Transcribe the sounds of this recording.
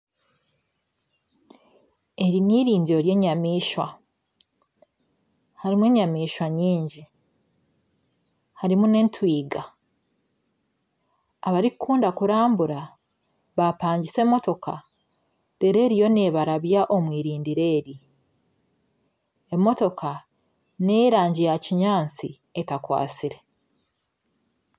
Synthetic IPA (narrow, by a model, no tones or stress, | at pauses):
e̞ɾiniːɾiːnɟiɾo̞ɾje̞ːɲamiːʃwa | haɾimwe̞ːɲamiːʃwaɲiːɲɟi | haɾimune̞ntwiːɡa | βaɾikkʰuːndakuɾaːmbuɾa | βapaːɲɟise̞mo̞to̞kʰa̰ | d̥e̞ɾe̞ɾijo̞ne̞ːβaɾaβjaʔo̞mwiːɾiːndiɾe̞ːɾi | e̞mːo̞to̞ka | neːɾaːɲɟijaciɲaːnt͡si | etakwa̰ːt͡siɾe̞